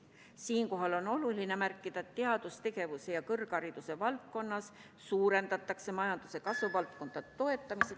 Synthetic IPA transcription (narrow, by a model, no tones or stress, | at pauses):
siːnko̞ɦɑlo̞no̞luline̞mærkːˑid̪̥ɑt̪ːeɑd̪̥ust̪e̞ɡ̥e̞vuse̞jɑkɤrkɑɾid̪̥use̞vɑlt̪̚ko̞nːɑs | suːɾe̞nd̪̥ɑt̪ːˑɑkse̞mɑjɑnd̪̥use̞kɑsvuvɑlt̪̚ko̞nd̪̥ɑd̪et̪o̞e̞t̪ːˑɑmise